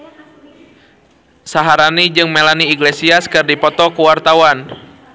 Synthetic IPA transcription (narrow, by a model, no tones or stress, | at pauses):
saɦaɾanid͡ʒɨŋmelaniːɡlesiaskɨrdipɔt̪ɔkuwart̪awan